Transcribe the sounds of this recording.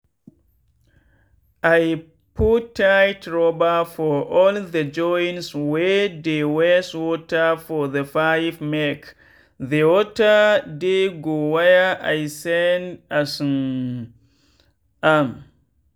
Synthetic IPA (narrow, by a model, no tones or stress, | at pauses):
ʔaj | pʰutʰːajtɹɔbafɔʔɔldəd͡ʒɔjnswɛdewɛswɔtafɔðəfajvmɛk | ðewɔtadeɡowajaʔajsɛndasun | am